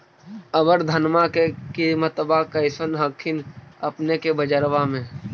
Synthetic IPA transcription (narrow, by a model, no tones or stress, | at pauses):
əbəɾd̪ʱənmakekimət̪bakəɪsənɦəkʰːɪnəpnekebəd͡ʒəɾʋamẽ